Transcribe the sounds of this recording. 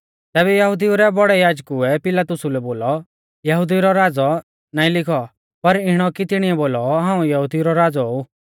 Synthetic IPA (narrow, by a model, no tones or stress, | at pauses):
t̪ɛːβɛjɐɦʊd̪iuɾɛbɔɽɛjaːd͡ʒkʊɛpɪlaːt̪ʊsulɛboːlɔ | jɐɦʊd̪iɾɔɾaːd͡zɔ | naːĩlɪkʰɔ | pɐɾɪɽ̃ɔkit̪ɪɽ̃iɛboːlɔɦãːũjɐɦud̪iuɾɔɾaːd͡zɔu